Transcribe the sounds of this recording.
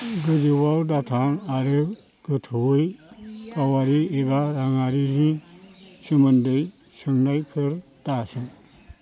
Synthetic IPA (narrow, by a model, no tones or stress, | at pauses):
ɡɯd͡ʒɯwawdatʰaŋaɾɯ | ɡ̥ɯtʰwɯjkawaɾiebaɾaŋaɾini | sɯmɯndɯj | sɯŋnajpʰɯɾtasɯŋ